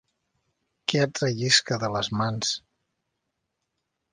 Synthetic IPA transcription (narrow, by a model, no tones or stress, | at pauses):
kɛat̪ɾəʎiskəðələzmans